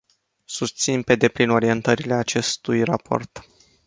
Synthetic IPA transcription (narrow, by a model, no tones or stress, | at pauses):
sust̪sinpe̞d̪e̞plino̞ɾie̞nt̪əɾile̞at͡ʃe̞st̪ujrapʰo̞̰rt̪